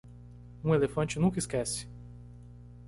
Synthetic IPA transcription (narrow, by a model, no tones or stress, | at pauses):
ũelefɐ̃t͡ʃɪnũkɐiskɛsɪ̥